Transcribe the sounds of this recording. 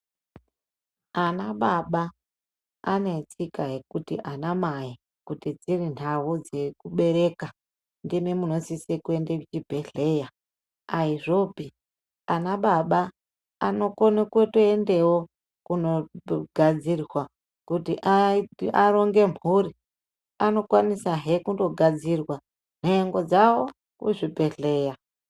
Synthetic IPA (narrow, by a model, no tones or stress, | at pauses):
anaɓaɓaː | ne̞t͡sikajekutḭʔanamaji | kutid͡zirinawud͡ze̞kuɓe̞ɾe̞ka | ndimemuno̞sisekue̞ndekit͡ʃibʱe̞ɮe̞ja | aiʐo̞pi | anaɓaɓaː | no̞ko̞nekwetoende̞wo | kuno̞ɡʱad͡zirwa | kutiʔaaro̞ŋɡe̞m̤uri | ano̞kwanisaɦekundo̞ɡʱad͡zirwa | neeŋɡo̞d͡zawo̞ | kṵʐibʱe̞ɬe̞ːja